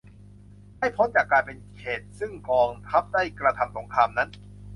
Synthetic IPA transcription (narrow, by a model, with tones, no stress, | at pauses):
ha˥˩jpʰo˦˥nt͡ɕaː˨˩kːaː˧npe˧nkʰeː˨˩t̪̚sɯ˥˩ŋkɔː˧ŋt̪ʰa˦˥p̚da˥˩jkɾa˧t̪ʰa˧mso˩˦ŋkʰaː˧mna˦˥n